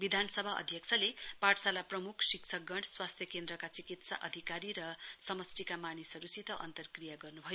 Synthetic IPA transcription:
bid̪ʱansʌbʱaʌ̰d̪ʱjʌkt͡sʰʌlepaʈʰsalaprʌmukʰsiksʰʌk̚ɡʌɳɽɖswast̪ʰjʌkend̪rʌkat͡sikit̪sa̰ʔʌd̪ʱikaɾiɾʌsʌmʌst̪ikamanisʌɾusit̪ʌʔʌ̰nt̪ʌrkrijaɡʌrnubʱʌj

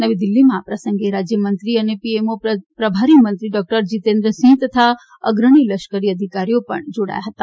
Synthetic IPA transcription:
nəʋid̪ilːimãapɾəsə̃ŋɡeɾad͡ʒjəmənt̪ɾiənepiemopɾəbʱaɾimənt̪ɾiɖɔk̚ʈəɾd͡ʒit̪ẽnd̪ɾəsĩt̪ət̪ʰa | ə̰ɡɾəɽ̃iləʃkəɾiəd̪ʱikaɾijopə̰ɳd͡ʒoɽa̰jaɦət̪a

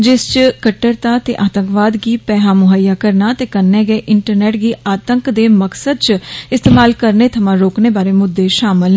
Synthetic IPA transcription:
d͡ʒɪst͡ʃkəʈːəɾt̪aːt̪ḛːʔaːt̪ə̃ŋkʋaːd̪ɡiːpɛːɦãːmʊɦəjaːkəɾnaːt̪eːkəɾnɛːɡɛːʔɪɳʈəɾnɛːʈɡiːaːt̪əŋkd̪eːməksəd̪̚t͡ʃɪst̪eːmaːlkəɾneːt̪ʰəmãːɾoːkneːbaːɾeːmʊd̪ːeːʃaːmɪl

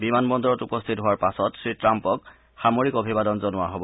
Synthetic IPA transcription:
bimanbɔndɔɹɔtupɔst̪ʰitɦʊwaɹpasɔtsɹitɹampɔk̚ | xamoɹikobʱibadɔnzɔnʊaɦobɔ

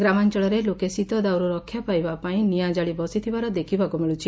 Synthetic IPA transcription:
ɡɾamant͡ʃɔɭɔɾelokesit̪ɔd̪awɾuɾɔkʰjapajbapaĩnijad͡ʒaɭibɔsit̪ʰibaɾɔd̪ekʰibakumiɭut͡ʃʰi

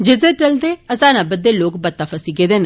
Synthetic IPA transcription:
d͡ʒɪd̪eːʈəld̪eəsaːnabəd̪ːeloːkbət̪ːafəsiɡeːd̪eːn

